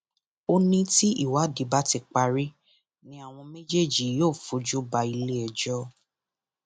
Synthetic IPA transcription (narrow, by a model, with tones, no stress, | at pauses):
o˧nĩ˦ti˦ḭ˦˨wa˨˦di˨˦ba˦ti˧k͡pa˧ɾi˦ | nĩ˦a˦˨w̃ɔ̃˧mẽ˦d͡ʒe˦˨d͡ʒi˨joː˦˨fo˨˦d͡ʒu˦ba˧i˧le˦ɛ˧˨d͡ʒɔ˦